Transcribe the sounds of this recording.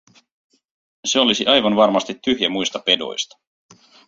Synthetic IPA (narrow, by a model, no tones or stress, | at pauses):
se̞o̞lisiʔɑjʋɑnʋɑrmɑst̪it̪ːyhjæmujst̪ɑpe̞do̞̰jst̪ɑ̥